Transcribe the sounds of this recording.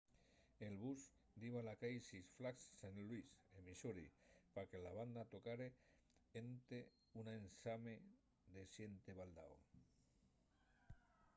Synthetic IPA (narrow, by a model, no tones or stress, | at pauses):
elβus | d̪iβalakajsisflaksːanlwisemisoɾḭpakelaβ̞and̪at̪okaɾe | ent̪e | unensame | ðesjent̪eβald̪a̰o̰